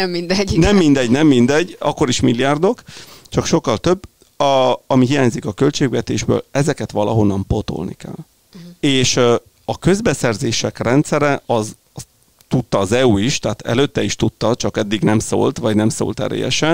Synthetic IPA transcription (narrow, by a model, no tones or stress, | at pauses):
ɛmːind̪ɛnɛmːind̪ɛɟnɛmːind̪ɛɟːɒ̰kːo̞ɾiʃmilːijaːrd̪o̞kt͡ʃɒkʃo̞kːɒlt̪ø̞bː | ɒmiɦijaːɲzikɒkø̞lt͡ʃeːɡʋɛt̪eːʒbø̰ːlɛzɛkɛt̪ʋɒlɒɦo̞nːɒmpo̞t̪o̰lnḭkɛ̰lː | eːʃ | ɒkø̞zbɛsɛrzeːʃɛkrɛnt̪sɛɾɛɒz | s | t̪ut̪ːɒːzɛuiʃt̪ɛːt̪ʰɛ̰løt̪ːɛiʃt̪ut̪ːɒt͡ʃɒkɛd̪ːiɡnɛmso̰ːlt̪ʋɒɟnɛmso̰ːlt̪ɛ̰ɾḛːjɛ̰ʃɛn